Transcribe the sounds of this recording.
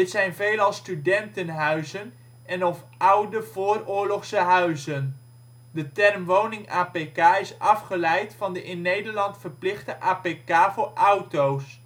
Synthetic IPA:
dɪtsɛjnvejlɑlˠstydɛntənɦœɥzən | ɛnɔf | ʌwdəv̥ʊːrʊːɹlɔχsəɦœɥzən | dətɛrmʋownɪŋaːpekaːɪsɑfχəlɛjtfɑndəʔɪnːejdəɹlɑntfəɹplɪχdəʔaːpekaːvʊːɹʔʌwtows

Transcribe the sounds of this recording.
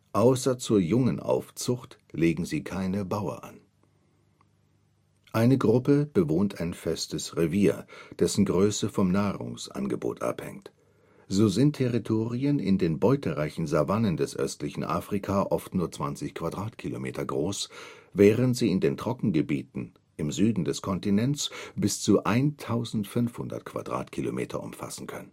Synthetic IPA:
ʔaʊsɐt͡suːɐjʊŋənʔa̰ʊft͡sʊxt | leːɡŋ̩ziːkʰaɪnəbaʊɐ̰ʔa̰n | ʔaɪnəɡʁʊpəb̥əvoːntʰaɪnfɛstəsʁeviːɐd̥ɛsn̩ɡʁøːsəfɔmnaːʁʊ̰ŋsʔa̰nɡəbo̰ːtʰʔa̰phɛ̰ŋt | z̥oːzɪntʰːɛʁitʰoːʁiənɪ̰ndeːnbɔʏtʰəʁaɪçn̩zavanəndɛsʔœ̰stlɪçn̩ʔa̰ːfʁ̥ikʰaʔɔftnuːɐt͡sv̥ant͡sɪçkʰv̥adʁaːtkʰilomḛːtɐɡʁoːsvɛːʁəntz̥iːɪndeːntʁ̥ɔkŋ̩ɡəbiːtn̩ | ʔɪmzyːdn̩dɛskʰɔntinɛnt͡sb̥ɪst͡suʔaɪntʰaʊzn̩tfʏnfhʊndɐ̰tkv̥a̰d̥ʁa̰ːtkʰilo̰mʔḛːtʰɐ̰ʔʊ̰mfa̰sn̩kʰœnən

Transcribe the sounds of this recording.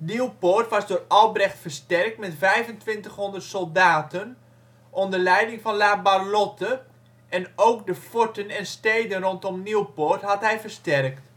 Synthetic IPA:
niwportʋɑzdʊːrɑlˠbrɛxtfərstɛrk̚tmɛtvɛjvəntʋɪntəχɦɔndərtsɔlˠdaːtən | ʔɔndərlɛjdɪŋfɑnlaːbalɔtə | ɛnowkdəfotənɛnsteːdənrɔntɔmniwpoːrtɦɑtɦɛjvərstɛrkt

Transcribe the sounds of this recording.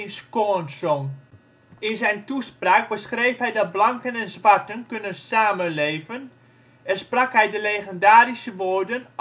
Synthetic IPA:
nskonsɔŋ | ɪnzɛjntuspraːk̚bəsχrejfɦɛjdɑt̚blɑŋkənɛnzʋɑɹtənkønənsaːmənlejvən | ɛrsprɑkɦɛjdəlejχəndaːrisəʋoːɹdən

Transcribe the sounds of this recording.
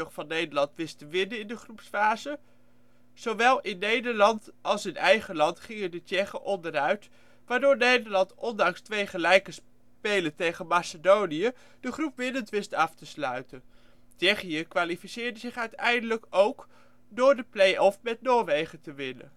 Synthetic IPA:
χfɑnːejdəɹlɑntʋɪstəʋɪnənɪndəχrupsfaːzə | z̥owʋɛlˠɪnːejdəɹlɑntɑlˠsɪnɛjχəlɑntχɪŋəndət͡ʃɛχəʔɔndəɾœɥt | ʋaːɹdʊːɹnejdəɹlɑntɔndɑŋstʋejχəlɛjkəs | pejlətejχənmasədownijə | d̥əχrupʋɪnəntʋɪstɑftəslœ̰ɥtən | t͡ʃɛχijəkʋaːlifisɪːɹdəzɪχœɥtɛjndələkowk | dʊːɹdəplejɔfmɛtnoːɹʋejχətəʋɪnə̰

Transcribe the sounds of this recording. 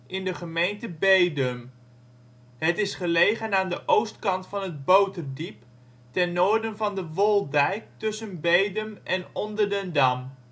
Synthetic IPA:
ʔɪndəχəmejntəbejdəm | ɦətɪsχəlejχənaːndəʔowstkɑntfɑnɦəd̚bowtərdip | tɛnːoːɹdənvɑndəʋɔlˠdɛjk̚tɵsənbejdəmʔɛnɔndəɹdəndɑm

